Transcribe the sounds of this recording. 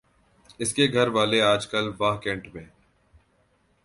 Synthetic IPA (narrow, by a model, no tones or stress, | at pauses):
ɪskeɡʱɐɾʋaːleaːd͡ʒkəlʋaːɦkẽːɳʈmẽː